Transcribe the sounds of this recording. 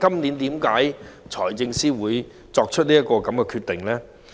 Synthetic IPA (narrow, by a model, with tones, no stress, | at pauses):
kɐ˥mniː˨˥nt̪iː˨˥mkaː˨˥jt͡sʰɔː˨˩jt͡sɪ˧ŋsiː˥wuː˨˧j | t͡sɔː˧k̚t͡ʃʰɵ˥t̚liː˥ɐ˥t̚kɔː˧kɐ˨˦mkɛ˧kʰyː˧t̪ɪ˨ŋlɛː˦˥